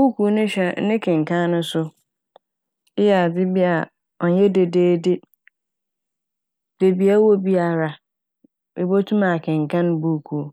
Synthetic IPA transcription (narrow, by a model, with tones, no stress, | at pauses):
bu˦kʰu˨˦nʊ̃˦ɕᶣɛ˨˦nɪ̃˦kʰɪ̃˨ŋ˨kʰã˦nʊ̃˦sʊ˦ | ɪ˦jɛ˨a˨d͡zɪ˦bi˦a˨ | ɔ˨n˦jɛ˦de˨deː˦dɪ˦ | d̥e˨bi˨˦a˦wɔ˦bi˦a˨ɾa˨ | e˨bo˦tʰũ˦ma˨kʰɪ̃˨ŋ˨kʰã˦n˦bu˦kʰu˨